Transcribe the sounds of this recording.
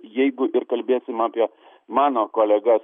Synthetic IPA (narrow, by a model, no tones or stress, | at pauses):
jɛɪɡʊʔɪɾkɐlʲbʲeːsʲɪmaːpʲiɛ | mɑːnoːkoːlʲɛɡɐs